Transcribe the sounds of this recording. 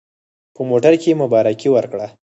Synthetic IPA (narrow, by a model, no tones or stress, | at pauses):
pəmoʈaɾkemʊbɑɾakiwəɾkɽa